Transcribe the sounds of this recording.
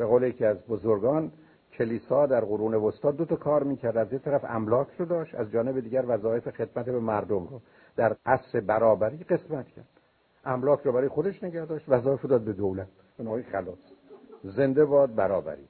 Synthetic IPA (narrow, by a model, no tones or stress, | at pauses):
b̥eɣowlejecʰiæzbozoɾɡɒːn | cʰe̞liːsɒːd̪æɾɣoɾuːneost̪ɒːd̪ːot̪ʰɒkʰɒːɾmiːkcʰæɾd̪æzjec̚t̪ʰæɾæfæ̰mlɒːkʰrod̪ɒːʃt̪æzd͡ʒɒːne̞bed̪iːɟæɾvæzɒːe̞fexe̞d̪mæt̪ebemæɾd̪omɾo | d̪̥æɾʔæsɾe̞bæɾɒːbæɾiːɢe̞smæt̪cʰæɾd̪̥ | ʔæmlɒːcʰɾobæɾːjexo̞d̪e̞ʃne̞ɡæhd̪ɒːʃt̪væzɒːe̞fod̪ɒːd̪̚be̞d̪owlæt̪̚ | b̥enoːmejxælɒːsze̞nd̪ebɒːd̪̚bæɾɒːbæ̰ɾiː